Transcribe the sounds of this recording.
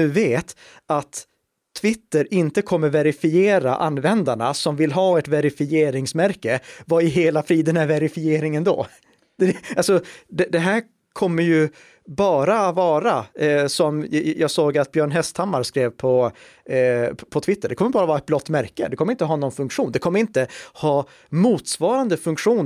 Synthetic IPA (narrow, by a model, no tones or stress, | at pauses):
ʉ̟ːveːt̪ | at̪ʰː | vɪt̪ːəɾɪnt̪əkʰɔmːəɾvɛɾɪfɪeːɾa̰ʔa̰nːvɛnd̪aɳasɔmvɪlɦɑːɛt̪vɛɾɪfɪeːɾɪŋsmæɾkəvaɪɦeːlafɾiːd̪ɛnæɾvɛɾɪfɪeːɾɪŋənd̪o̰ː | d̪ɛalsɔd̪ɛd̪ɛɦæːɾ | kʰɔmːəɾjɵ | bɑːɾaːt̪vɑːɾasɔmjɑːɡsoːɡat̪̚bjœːɳɦɛst̪ʰamːaɾskɾeːvpʰɔ | pʰɔt̪ʰvɪt̪ʰːəɖɛkɔmːəbɑːɾavɑːɾaɛt̪̚blɔt̪ːmæɾkə̰d̪ɛkʰɔmːɾɪnt̪əɦɑːnɔnfɵŋkʂuːnd̪ɛkʰɔmːəɾɪnt̪əhɑː | muːt̪svɑːɾand̪əfɵŋkʂuːn